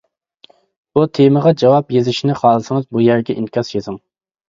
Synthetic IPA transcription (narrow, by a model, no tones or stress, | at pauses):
but̪ʰeməʁɑd͡ʒɑwɑpjezɪʃinɪχɑːlˠɨsɨŋɨzbujæɾɡʲɛʔinkʲʰɑsjezɪŋ